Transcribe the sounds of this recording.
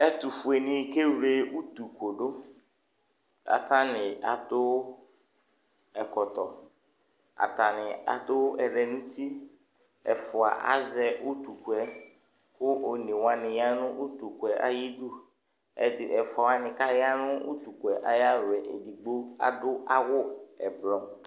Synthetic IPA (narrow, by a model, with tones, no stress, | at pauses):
ɛ˦t̪u˨fu˨e˨nɪ̃˨˦ke˦wɾe˦wu˦t̪u˨ko˨ɖʊ˦ | a̰˨t̪a˦nɪ̃˨a̰˨d̪ʊ˦w | ɛ˨kɔ˨t̪ɔ˨ | a̰˨t̪a˨nɪ˨a̰˨d̪ʊ˦wʔɛ˨lɛ˨nũ˦t̪ʰi˦ | ɛ̰˨fʊ˨a̰˨ʔa̰˦zɛ˦wu˦t̪u˨ku˨ɛ˦ | xʊ˦ʔo˨nɪ̃˨wa˦nɪ̃˨ja˦nʊ̃˦ʔu˦t̪u˨kʊ˨ɛ˨ʔa̰˦ji˦ɖu˦ | ɛ˨ɪ˨ʔɛ˨fa˨a˨nɪ̃˨ka˦jɪ˦a˦nʊ̃˦u˦t̪u˨kʊ˨ɛ˨ʔa˨ja˦lʊ˨ɛ˨ʔḛ˨di˨ɡ͡bo˦a̰˨dʊ˦ʔa˦wʊ˦ɛ˨blɔ˦m